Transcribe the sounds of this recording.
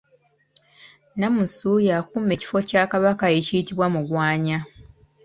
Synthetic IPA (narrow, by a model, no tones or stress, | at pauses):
namusujakume̞ci̥fo̞caːkaβakae̞cijitiβwamuɡwaːɲa